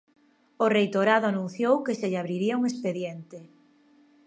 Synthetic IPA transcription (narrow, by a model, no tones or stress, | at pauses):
ʊrejt̪oɾaðʊanũnθjowkɪseʎaβɾiɾiauŋespeðjent̪ɪ